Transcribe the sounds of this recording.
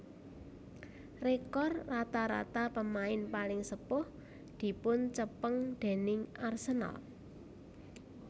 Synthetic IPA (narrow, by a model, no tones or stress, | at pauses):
rekɔrːat̪aɾa̰t̪apəmaɪnpalɪŋsəpʊh | d̪̥i̤pʊnt͡ʃəpəŋd̪̥e̤nɪŋarsəna̰l